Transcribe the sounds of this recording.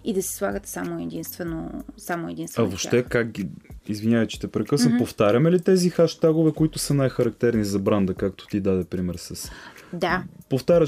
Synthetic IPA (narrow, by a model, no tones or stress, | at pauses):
id̪ɐsɛ̥slˠaɡət̪ɛ̥samoɛd̪inst̪vɛno̰samoɛd̪inst̪ɐvopʃt̪ɛkak̚ɡiizvinʲjavət͡ʃɛ̥t̪ɛpɾɛkɤsnəpoft̪aɾʲəmɛlit̪ɛzixaʃt̪aɡʊvɛkoit̪ʊsɐnajxɐɾɐk̚t̪ɛɾnizɐbɾand̪əkakt̪o̥t̪id̪ad̪ɛpɾimɛɾsɐsd̪apoft̪aɾʲə